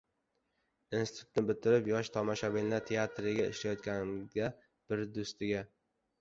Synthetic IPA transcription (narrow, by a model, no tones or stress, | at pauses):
insɪ̥t̪ʰʊt̪nɪbɪt̪ʰɪɾɪpjɒʃt̪ʰɒmɒʃabenːaɾt̪ʰe̞at̪ɾɪɡʲaɪ̰ʃlajɒt̪kʲanɪɡʲa | b̥ɪɾd̪ʊst̪ɪɡʲa